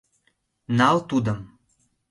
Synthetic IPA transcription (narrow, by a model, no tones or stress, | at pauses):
nɑlt̪ud̪ɤ̆m